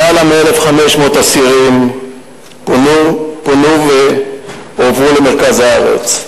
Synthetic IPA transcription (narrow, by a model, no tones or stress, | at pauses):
alamelefχame̞ʃmo̞t̪asiʁim | nkonuve | ovʁule̞me̞ʁkazhaaʁḛt͡s